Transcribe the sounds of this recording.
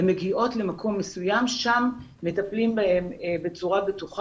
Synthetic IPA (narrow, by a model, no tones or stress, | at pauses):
me̞ɡiʔo̞tle̞makʰo̞mːesujamʃamː | etaplimbaembe̞t͡suʁabetuχ